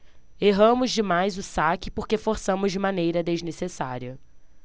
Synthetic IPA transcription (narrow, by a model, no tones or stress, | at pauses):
eɦɐ̃mʊzd͡ʒɪmajzʊsakɪpoɾkefoɾsɐ̃mʊzd͡ʒɪmɐ̃nejɾɐd̪eznesesa̰ɾiɐ